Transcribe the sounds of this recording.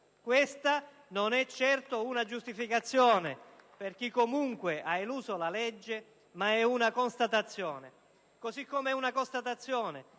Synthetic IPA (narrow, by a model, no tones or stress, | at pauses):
kwɪst̪a | nonɛt͡ʃːɛrt̪ounad͡ʒust̪ifikat̪sːjɔːneperk̟ikːomuŋkweʔaeluːsolalɛd͡ʒːe | maɛunakonst̪at̪at̪sːjɔːne | kosikːomɛunakost̪at̪at̪sːjɔːne